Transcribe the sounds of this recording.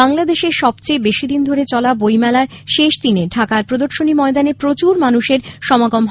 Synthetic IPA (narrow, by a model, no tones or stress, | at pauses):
aŋlad̪eʃeɾʃɔbt͡ɕebeʃid̪ind̪ʱoɾet͡ɕɔlabojmɛlaɾʃeʃd̪ineɖʱakaɾpɾod̪oɾʃonimɔed̪anepɾot͡ɕuɾmanuʃeɾʃɔmaɡomɦ